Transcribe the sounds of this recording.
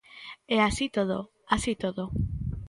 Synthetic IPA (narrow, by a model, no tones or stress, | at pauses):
easit̪oð̞o̰ | asit̪oðo